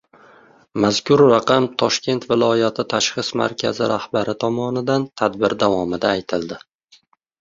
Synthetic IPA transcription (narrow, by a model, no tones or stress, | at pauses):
maz̥kʲʰʊɾːaqʰɑmt̪ʰɒʃkʲʰe̞nt̪vɪlˠɒjat̪ʰɪt̪ʰaʃχɨsma̰ɾkʲʰa̰zɪɾʔahbaɾɪt̪ʰɒmɒnɪd̪ant̪ʰad̪bɪɾd̪avɒmɪd̪aːjt̪ʰɪld̪ɪ